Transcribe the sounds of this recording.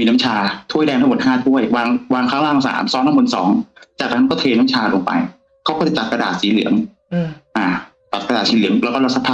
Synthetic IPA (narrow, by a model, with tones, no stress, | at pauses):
miː˧na˦˥mt͡ɕʰaː˧t̪ʰu˥˩əjdɛː˧ŋt̪ʰa˥˧˨t̪̚kʰaː˥˩t̪ʰu˥˩əjwaː˧ŋwaː˧ŋkʰaː˦˥ŋlaː˧˥˩ŋsa̰ː˩˦msɔː˧˦˥nt̪ʰa˥˩bu˧nsɔ̰ː˩˦ŋt͡ɕaː˨˩a˧˥kɔː˥˩t̪ʰeː˧na˦˥mt͡ɕʰaː˧lo˧ŋpa̰˧j | kʰa˦˥wkɔː˥˩t͡ɕa˧˦˩t̪a˨˩p̚ka˧da̰ː˨˩t̪̚siː˨˦lɯ̰˩˦əŋ | ʔaː˧˩ | t̪a˨˩ka˧daː˨˩t̪̚siː˨˦lɯ˩əŋlɛ˦˥kːɔ˥˩la˧˥sʰa˦˥t̪ʰːa˧